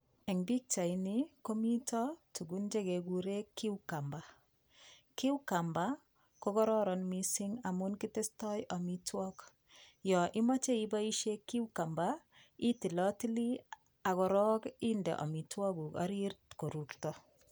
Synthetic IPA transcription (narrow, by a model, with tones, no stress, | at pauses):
ɛ˨ŋbi˦k̚t͡ʃa˨iniko˦mi˦tɔtu˨ɡu˦nd͡ʒe˦ke˨ɡu˨ɾe˦kːi˦wka˨mba˨ | ki˦wka˨mba˦ | ko˦kɔ˦ɾɔ˦ɾɔ˨nmisi˦ŋa˨munki˦te˦stɔ˦jʔo˨mitwɔk | jɔ˨ʔi˦ma˦t͡ʃe˦i˦ba˦i˦ʃe˦kːi˦wka˨mba | i˦ti˨lɔ˦ti˦li˦ | a˨kɔ˨ɾɔki˦ndɛ̰˨ʔɔ̰˨mi˨twɔ˦ku˨ka̰˦ɾiɾtko˨ɾu˨ktɔ